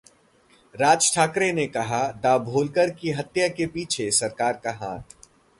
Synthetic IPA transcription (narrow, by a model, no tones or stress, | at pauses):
ɾaːd͡ʒʈʰaːkɾenekɐɦad̪aːbʱoːlkəɾkiɦɐt̪jakepiːt͡ʃʰesɐɾkaːɾkaɦãːt̪̚